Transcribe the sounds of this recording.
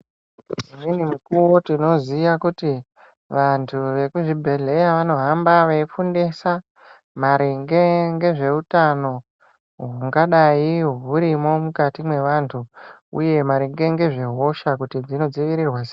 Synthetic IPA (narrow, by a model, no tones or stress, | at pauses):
ininimukuwo̞tino̞zijakuti | ʋantʰuʋe̞kuʐibʱe̞ɮe̞jaʋano̞ɦambaʋeifundesa | maɾiŋɡe̞ŋɡe̞ʐe̞utano̞ | ɦuuŋɡaɗaiɦuɾimo̞mukatimwe̞ʋantʰu | ṵje̞maɾeŋɡe̞ŋɡe̞ʐe̞ɦo̞ʃakutid͡zino̞d͡ziʋiɾirwas